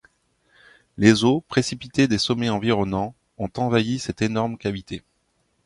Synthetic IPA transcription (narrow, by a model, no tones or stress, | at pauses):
lezopχesipit̪ed̪esɔmɛɑ̃viʁɔnɑ̃ | ɔ̃t̪ɑ̃vajisɛt̪enɔʁmkʲavit̪ʰe